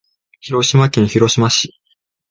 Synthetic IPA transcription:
çiɾo̞ɕimakʲĩnçiɾo̞ɕimaɕi

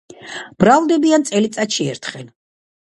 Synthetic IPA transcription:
b̥ɾavlˠd̪ɛbiant̪sʼɛlit̪sʼatʃiɛ̰ɾt̪ʰχɛl

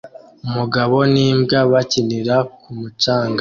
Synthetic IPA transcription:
umuɡaβo̞niːmbɡaβaciniɾakumut͡ʃaːŋɡa

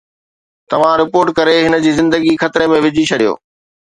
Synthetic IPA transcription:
t̪ɐʋ̤ãɾɪpoːɾʈkɐɾeɦɪnəd͡ʑiːzɪ̃nd̪əɡixɐt̪ɪɾemẽʋɪd͡ʑit͡ɕʰɐɽijo̰ː

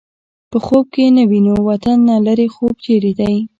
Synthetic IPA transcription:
pəxob̚kenəwinowat̪anːalaɾexob̚t͡ʃeɾed̪aj

